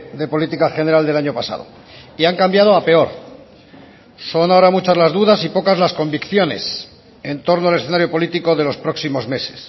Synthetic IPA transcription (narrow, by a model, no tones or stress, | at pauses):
d̪e̞po̞lit̪ikaxe̞ne̞ɾald̪e̞laɲo̞pasa̰ðo̞̰ | iaŋkambjað̞oape̞o̞ɾ | so̞nao̞ɾamut͡ʃazlazðuðasipo̞kazlasko̞mbikθjo̞ne̞̰s | e̞nt̪o̞ɾnoalesθenaɾjo̞po̞lit̪iko̞ðe̞lo̞spɾo̞ksimo̞zme̞se̞̥s